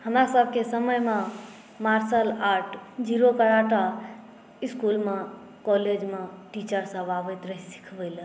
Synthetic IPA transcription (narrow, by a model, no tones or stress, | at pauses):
həmɾasəb̚ʱkesəməjmẽ | maɾsəlaʈʰd͡ʒiɾokəɾaʈa | iskulmẽ | kɔled͡ʒmẽʈit͡ʃəɾsə̃baʋət̪ɾəɦisi̥kʰbəɪl